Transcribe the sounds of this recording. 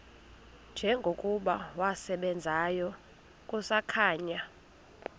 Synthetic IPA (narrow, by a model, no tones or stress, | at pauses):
nd͡ʒʱɛŋɡʱokʼuɓawasɛɓɛnd͡zʱajɔ | kʼusakʰaːɲa